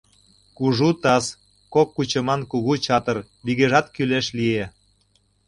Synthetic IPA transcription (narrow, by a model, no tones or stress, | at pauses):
kuʒut̪ɑs | kokːut͡ɕə̆mɑnkuɣut͡ɕɑt̪ə̆r | βiɣeʒɑt̪kyleʃlie